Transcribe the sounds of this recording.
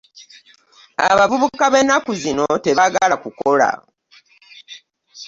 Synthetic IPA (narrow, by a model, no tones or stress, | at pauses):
a̰βavuβukaβe̞nːakuzino̞te̞βaɡalakuko̞la̰